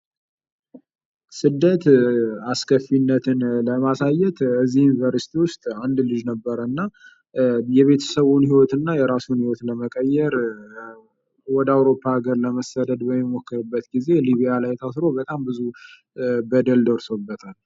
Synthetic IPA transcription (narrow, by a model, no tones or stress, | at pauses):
sɨd̪ːət̪askʰəfːinːət̪ʰɨnləmasajːɛt̪ɨzːihjunvəɾsi̥t̪ʰiwʊst̪ʼand̪lɨd͡ʒnəbːəɾəɨnːa | jɛβe̞t̪ʰə̥səβunhiwɔt̪ɨnːajɛɾasunhiwɔt̪ləməkʼəjːɛɾ | wɔd̪awɾo̞pʰːaːɡəɾləməsad̪əd̪bəmːimokːɨɾɨbːət̪ɡize̞liβijalajt̪ʰasɾo̞bət̪ʼambɨzu | bəd̪əld̪əɾso̞bːət̪ʰal